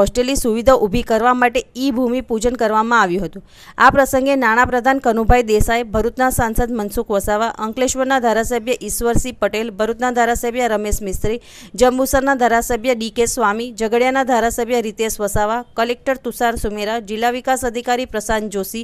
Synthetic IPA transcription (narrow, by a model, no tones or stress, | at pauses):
ɦɔsʈelisuʋid̪ʱaʔubʱikəɾʋamaʈeibʱumipud͡ʒənkəɾʋamãaʋjũɦət̪ũ | apɾəsəŋɡenaɽ̃apɾəd̪ʱankənubʱajd̪esaebʱəɾut̪nasansəd̪mənsukʰʋəsaʋaʔəŋkleʃʋəɾnad̪ʱaɾasəbʱjəʔisʋəɾsipəʈelbʱəɾut̪nad̪ʱaɾasəbʱjəɾəmesmɪst̪ɾi | d͡ʒəmbusəɾnad̪ʱaɾasəbʱjəɖikesʋamid͡ʒəɡəɽjanad̪ʱaɾasəbʱjəɾit̪esʋəsaʋakəlek̚ʈəɾt̪usaɾsumeɾad͡ʒɪlːaʋikasəd̪ʱikaɾipɾəsand͡ʒosi